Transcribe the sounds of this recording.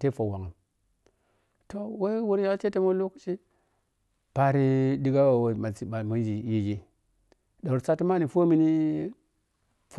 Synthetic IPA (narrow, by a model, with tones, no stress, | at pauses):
te˦fo˨wa˨ŋa˨m | to˦we˦wu˦ɾja˦t͡ʃe˦te˦mo˦lu˦kt͡ʃi˦ | pa˨ɾi˦di˦ɡa˦wa˨wo˨ma˨si˨ba˨ma˨˦n˦d͡ʒi˨ji˦d͡ʒi˦ | da˨u˨ɾsa˦ti˦ma˦ni˨fo˦mi˦ni˦ | f